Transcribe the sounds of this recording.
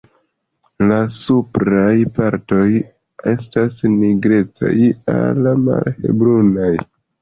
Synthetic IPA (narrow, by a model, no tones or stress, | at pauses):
lasupɾajpaɾto̞j | e̞̰stasniɡɾe̞t͡sa̰ja̰lama̰lhḛbɾunaj